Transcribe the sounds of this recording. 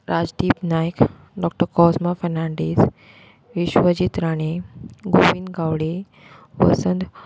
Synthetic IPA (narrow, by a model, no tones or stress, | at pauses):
ɾad͡ʑd̪iːpnajk | ɖɔk̚ʈəɾkɔsmafɛɾnaɳɖis | ʋiɕʋəd͡ʑit̪ɾaɽ̃eɡoʋinɡawɽe | ʋə̰sənd̪